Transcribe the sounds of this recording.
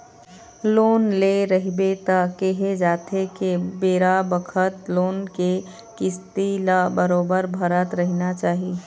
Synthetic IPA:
loːnleɾəɦibet̪akeɦed͡ʒaːt̪ʰekebeːɾabəkʰət̪loːnke | kɪst̪ilabəɾoːbəɾbʱəɾət̪ɾəɦnat͡ʃaːɦi

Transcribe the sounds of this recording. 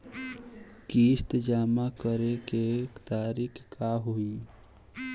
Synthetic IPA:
kiːst̪d͡ʒaːmakəɾekekt̪aːɾiːkʰkaɦuiː

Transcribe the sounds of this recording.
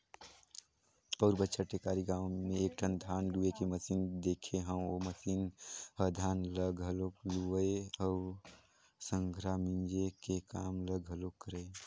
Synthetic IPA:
pəːɾbətːʃʰaʈekaːɾiɡãːʊ̃mẽeːk̚ʈʰənd̪ʱaːnluekeməsind̪eːkʰeɦə̃oməsiːnɦəd̪ʱaːnləɡɦəlokluəeɔ | sə̃ŋɡʱɾamĩnd͡ʒekekaːmləɡɦəlokːəɾəe

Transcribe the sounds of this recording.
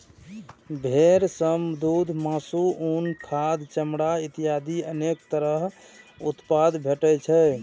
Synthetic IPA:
bʱeɾsəmd̪ud̪ʱmasuunkʰad̪t͡ʃəmɽait̪ijad̪iənekt̪əɾəɦ | ut̪pad̪bʱeʈɛt͡ʃʰɛ

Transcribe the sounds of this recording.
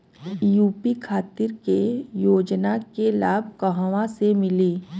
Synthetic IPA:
juːpikʰaːt̪ɪɾkejoːd͡ʒnakelaːbʱkəɦʋãsemɪliː

